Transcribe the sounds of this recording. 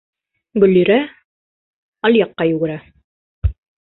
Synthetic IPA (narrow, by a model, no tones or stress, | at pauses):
ɡɵ̆lːiɾæ | ɑlʲjɑqːɑjʉɡɘ̆ɾæ